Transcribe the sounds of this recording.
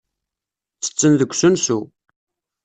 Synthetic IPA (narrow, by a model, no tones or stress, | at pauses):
t͡sːə̥t͡sːənðəɡʷsunsu